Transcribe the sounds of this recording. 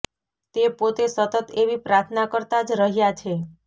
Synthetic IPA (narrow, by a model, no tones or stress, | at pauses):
t̪epot̪esət̪ət̪eʋipɾaɾt̪ʰnakəɾt̪ad͡ʒɾəɦjat͡ʃʰe